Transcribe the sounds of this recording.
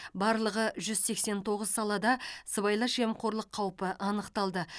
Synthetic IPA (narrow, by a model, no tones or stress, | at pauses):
bɑɾlˠəʁəʒʏzse̞kse̞nt̪ʰo̞ʁəzsɑlˠɑd̪ɑsəβɑjlˠɑʃemqʰo̞ɾlˠəqʰːɑwpəʔɑnəqt̪ɑlˠd̪ə